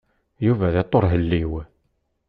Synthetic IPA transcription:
juvæðet̪ˤːoɾˤɦəlːiw

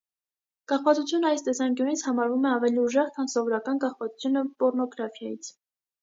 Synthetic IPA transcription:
kɑχvɑt͡sut͡sʰjunəɑjst̪ɛsɑŋkjunit͡sʰhɑmɑɾvumɛɑvɛliuʒɛχt̪ʰɑnsɔvɔɾɑkɑnkɑχvɑt͡su̥t͡sʰjunəpɔɾnɔɡɾɑfʰjɑjit͡sʰ

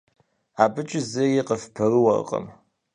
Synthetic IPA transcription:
aːbɨt͡ʃʼɪzɐjiqʼəfpʰɐrɨwɐ̰r̰qʼə̰m

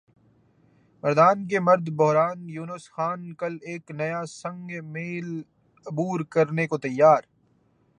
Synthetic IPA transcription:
mɐɾd̪aːnk̬emɐɾd̪bʊɦɾaːnjuːnəsxaːnkɐleːknɐjasɐ̃ŋɡmeːl | ʊbuːɾkɐɾnekot̪ɐjːaːɾ

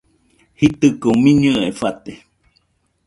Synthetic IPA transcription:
hit̪ɨkumĩɲɨefat̪e

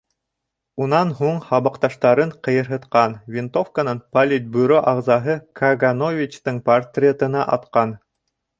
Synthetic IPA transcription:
unɑnɦuɴhɑβɑqt̪ɑʃt̪ɑɾɤɴqɤ̆jɤ̆ɾɦɤ̆t̪qɑnvʲɪnt̪ofkanɤnpɐlʲɪt̪̚ʲbujɾoʔɑʁzɑɦɤkʰɐɡanovʲit͡ɕt̪ɤɴpɐrt̪rʲɪet̪ɤ̆nɑʔɑ̰t̪qɑn

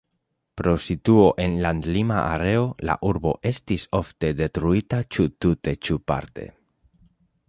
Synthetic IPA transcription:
pɾo̞sit̪uoʔe̞nland̪lima̰ʔaɾe̞ola̰ʔuɾbo̞̰ʔe̞st̪isoft̪e̞d̪e̞t̪ɾuit̪at͡ʃut̪ut̪e̞t͡ʃupa̰ɾt̪e̞̰

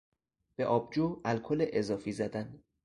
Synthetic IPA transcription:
b̥eʔɒːb̚d͡ʒoːælkʰoleʔezɒːfiːzæd̪æn

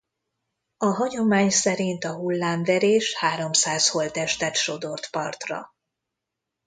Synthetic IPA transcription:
ɒɦɒɟo̞maːɲsɛɾint̪ɒɦulːaːɱvɛɾeːʃhaːɾo̞msaːsho̞lt̪ɛʃt̪ɛt̪ʃo̞d̪o̞rt̪pɒrt̪rɒ̰

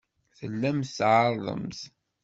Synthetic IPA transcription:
θəlːæmθːʕəɾˤðˤə̰mθ

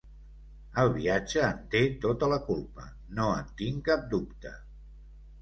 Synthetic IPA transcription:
əlˠβiad͡ʒəːnt̪et̪ot̪ələkulˠpə̰ | noə̰nt̪iŋkap̚d̪upt̪ə̰

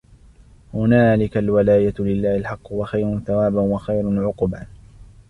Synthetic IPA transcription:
hʊnaːlɪkalwalaːjalɪlːaːhɪlħɑqːwɑxajɾʊnθawaːbanwɑxajɾʊnʕʊqba

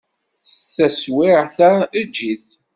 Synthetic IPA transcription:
θθæswɪʁθæəd͡ʒːiθ

